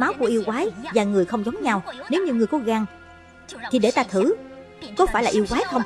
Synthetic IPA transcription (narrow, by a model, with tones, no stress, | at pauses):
maː˨˦wku˧˩əʔi˧əwkwaː˨˦jvaː˨˩ŋɨ˨˩əjxə˧wŋ͡mzɔ˨˦wŋ͡mɲa˧wne˨˦wɲɨ˧ŋɨ˨˩əjkɔ˨˦ɣaː˧ŋ | t̪ʰi˨˩ɗe˧˩t̪aː˧t̪ʰɨ˧˩ | kɔ˨˦faː˧˩jlaː˨˩ʔi˧əwkwaː˨˦jt̪ʰə˧wŋ͡m